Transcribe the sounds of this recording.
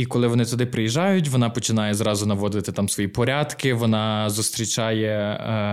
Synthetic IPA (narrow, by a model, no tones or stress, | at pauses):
ikɔlˠɪʋɔnɪt̪ʊd̪ɪpɾɪjiʒɑjʊtʲʋɔnɑpɔt͡ʃɪnɑjɛzɾɑzʊnɐʋɔd̪ɪt̪ɪt̪ɑmsʋɔjipɔɾʲɑd̪kɪʋɔnɑzʊst̪ɾʲit͡ʃɑjɛ